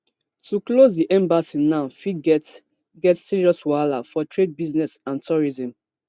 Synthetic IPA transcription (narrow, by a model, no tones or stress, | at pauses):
tuklozdiʔɛ̃mbasĩnãʊfiɡ | ɡɛtsiɹiɔswalafɔtɹed̚biznɛsãntʰɔɹizɔ̃m